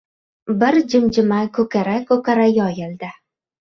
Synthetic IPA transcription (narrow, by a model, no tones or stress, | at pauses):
bɪɾd͡ʒɪmd͡ʒɪmakʰɵkʲʰaɾakʰɵkʰaɾajɒjɪld̪ɪ